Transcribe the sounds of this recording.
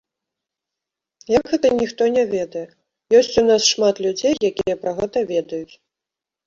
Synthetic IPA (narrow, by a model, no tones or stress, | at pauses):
jaɡɣɛt̪ɐnʲixt̪ɔnʲɛvʲɛd̪ɐjɛ | jɔsʲt͡sʲunasʂmat̪lʲud͡zʲejjakʲijɐpɾɐɣɛt̪ɐvʲɛd̪ɐjut͡sʲ